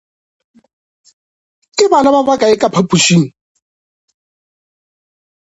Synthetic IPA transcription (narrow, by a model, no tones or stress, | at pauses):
kʼɪbanaβabakʼaɪkʼapʰapʼuʃiŋ̩